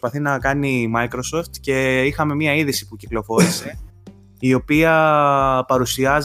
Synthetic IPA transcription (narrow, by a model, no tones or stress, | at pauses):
spɐθinɐkɐnimɐikɾo̞so̞ft̪ce̞ixɐme̞miɐiðisi̥puciklo̞fo̞ɾise̞ | io̞piɐ | pɐɾusiɐz